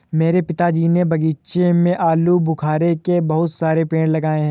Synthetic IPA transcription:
meːɾepɪt̪ad͡ʒiːnebʱɐɡiːʃemẽʔaːlubʱʊkʰaːɾekebɐɦʊt̪saːɾepeːɽ̃lɐɡaːẽɦɛ̃

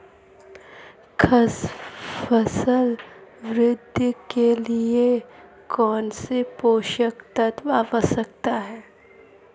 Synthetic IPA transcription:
kʰɐsfəsəlʋɾɪd̪ʱːkelie | kɔːnsepoːʃəkt̪ət̪ʋaːʋəsək̚t̪aɦɛː

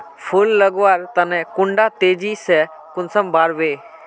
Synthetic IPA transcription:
pʰʊlːəɡʋaːɾt̪ənɛkʊ̃ɳɖaːt̪eːd͡ʒiːsɛ | kʊnsəmbaːɾʋeː

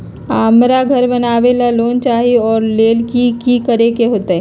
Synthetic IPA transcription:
aːmɾaɡʱɐɾbɐnaːʋelaloːnt͡ʃaːɦiɔːɾleːlkikikəɾekeɦoːt̪aɦɛ

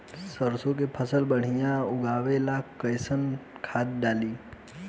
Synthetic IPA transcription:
səɾsõk̬epʰəsəlbəɽ̤ijãʊɡaːʋelakːəɪsənkʰaːt̪̚ɖaːliː

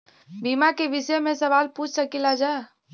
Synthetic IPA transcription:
bimakeʋɪsəmẽsəʋaːlput͡ʃʰsəkilad͡ʒa

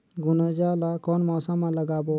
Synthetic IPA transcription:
ɡunəd͡ʒalakɔnmɔːsamãləɡabo

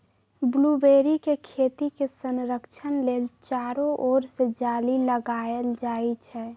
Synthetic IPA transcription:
blubeːɾikekʰet̪ikesənɾəkt͡ʃʰənleːlt͡ʃaːɾõʔoːɾsed͡ʒaːliləɡaːəld͡ʒaːit͡ʃʰɛː

